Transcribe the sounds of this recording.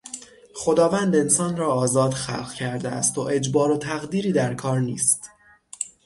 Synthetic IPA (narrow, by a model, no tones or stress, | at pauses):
xo̞d̪ɒːvæːnd̪e̞nsɒːnrɒːɒːzɒːd̪xæ̰lɣcʰæɾd̪eæ̰st̪oʔe̞d͡ʒbɒːɾo̞t̪ʰæɣd̪iːɾiːd̪æɾkʰɒːɾnḭːst̪